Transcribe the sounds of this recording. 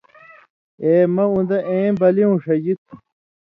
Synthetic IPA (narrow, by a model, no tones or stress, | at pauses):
eːmɐũnd̪ɐʔẽːbɐliũʂɐd͡ʑit̪̚